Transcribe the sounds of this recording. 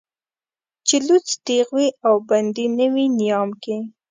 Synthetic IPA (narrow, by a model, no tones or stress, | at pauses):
t͡ʃɪlut͡sd̪eɣwiawband̪inəwinijɑmki